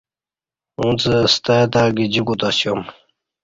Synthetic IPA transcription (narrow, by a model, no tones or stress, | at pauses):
ũt͡səst̪at̪aːɡid͡ʑikut̪asjom